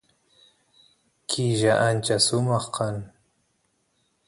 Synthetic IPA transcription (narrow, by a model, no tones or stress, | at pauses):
kʰɪʒaʔant͡ʃasʊmɑχqɑŋ